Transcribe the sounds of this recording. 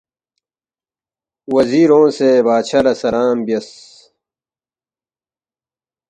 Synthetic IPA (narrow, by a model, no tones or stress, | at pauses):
wɐziːɾõːsebaːɕʰɐlɐsɐlaːmbijɐs